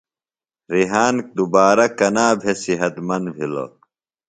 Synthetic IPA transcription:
ɾiɦaːnk̚d̪ubaːɾɐkɐnaːbʱesiɦɐt̪mɐnd̪bʱilo̰

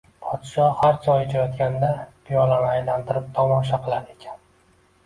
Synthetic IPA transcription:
pʰɒd̪̥ʃɒhaɾd͡ʒʰɒjɪd͡ʒʰajɒt̪kʲʰand̪apʰijɒlanɪajlant̪ʰɪɾɪp̚t̪ʰɒmɒʃaqʰɨlˠaɾe̞kʲʰḁn

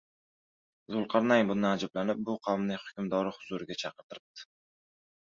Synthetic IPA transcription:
zʊlˠqʰɑɾnajbʊnɪad͡ʒablanɪp̚bʊqʰawmnɪhʊ̥kʲʊmd̪ɒɾɪhʊzuɾɪɡʲat͡ʃʰɑqəɾt̪ʰɪɾɪp̚d̪̥ɪ̥

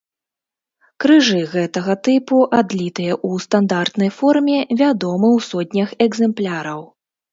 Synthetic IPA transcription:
kɾɨʐɨɣɛt̪ɐɣɐt̪ɨpuʔad̪lʲit̪ɨjɐʔust̪and̪art̪nɐjfɔrmʲɛvʲad̪ɔmɨwsɔd̪̚ʲnʲɐxɛɡzɛmplʲaɾɐw

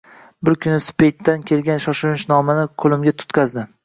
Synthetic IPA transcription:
bɪɾkʲʰʊnɪspejt̪ːankʲʰe̞lɡʲanʃɒʃɪɾɪʃnɒmanɪqʰolˠɪmɡʲat̪ʰʊ̥t̪qʰɑzd̪ɪ

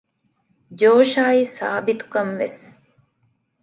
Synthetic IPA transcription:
d͡ʒoːʃaːisa̰ːbit̪u̥kɐnʋes

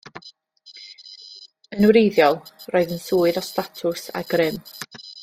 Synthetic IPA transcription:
ənwɾejðjɔlˠrɔɨðənsuːɨðɔstatʰʊsa̰ɡrɪm

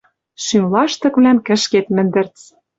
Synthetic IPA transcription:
ʃymlɑʃt̪ɤ̆kβlæmkɘ̆ʃket̪mɘ̆nd̪ɘ̆rt͡s

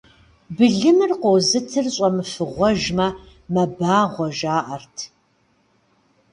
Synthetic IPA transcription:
bɨɮɨmɨrqʷowzɨtʰɨrɕʼɐmɨfɨʁʷɔʒmɐ | mɐbaːʁʷɔʒaːʔɐrtʰ

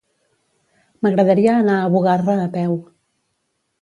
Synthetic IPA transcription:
məɣɾəðəɾiəːnaːβuɣarəːpɛw

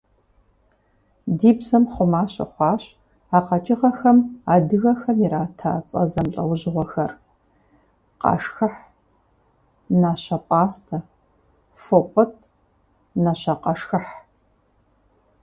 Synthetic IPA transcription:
diːbzɐmχʷʊmaːɕʼɐ̰χʷɑːɕ | aːqɐt͡ʃʼɪʁɐxɐmaːdɨɣɐxɐmiɾaːtʰa̰ːt͡sʼɐ̰zɐmɬʼɐwʊʑɪʁʷɔxɐr | qʼɑ̰ʂxɨħ | naːɕɐpʼaːstʰɐ | fopʷʼɔtʰ | naɕɐqɐʂxɐħ

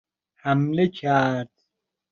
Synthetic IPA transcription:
hamlekʰaɾd̪̥

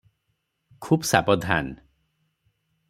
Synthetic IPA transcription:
kʰubsabɔd̪ʱa̰n

